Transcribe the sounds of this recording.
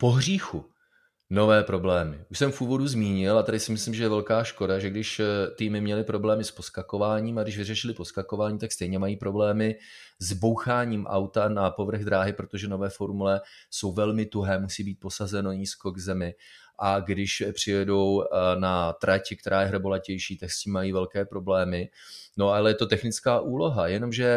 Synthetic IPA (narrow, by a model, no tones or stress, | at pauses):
po̞ɦr̝iːxu | no̞vɛːpɾo̞blɛːmɪʔuʃsɛmfʔuːvo̞duzmiːɲɪlat̪adɪsɪmɪslimʒɛjɛvɛlkaːʃko̞daʒɛɡdɪʃt̪iːmɪmɲɛlɪpɾo̞blɛːmɪspo̞skako̞vaːɲiːmaɡdɪʃ̬vɪrɛʃɪlɪpo̞skako̞vaːɲiːt̪akst̪ɛjɲɛmajiːpɾo̞blɛːmɪ | zbo̞wxaːɲiːmʔa̰wt̪anapo̞vr̩ɣd̪ɾaːɦɪpɾo̞t̪o̞ʒɛno̞vɛːfo̞ɾmulɛso̞wvɛlmɪt̪uɦɛːmusiːbiːt̪̚po̞sazɛnoɲiːsko̞ɡzɛmɪ | ʔaɡdɪʃpr̝̥ɪjɛdo̞wnat̪ɾacɪk̚t̪ɛɾaːjɛɦr̩bolacɛjʃiːt̪aksciːmːajiːvɛlkɛːpɾo̞blɛːmɪ | no̞ʔalɛjɛt̪o̞t̪ɛxnɪt͡skaːʔuːlo̞ɦajɛno̞mʒɛ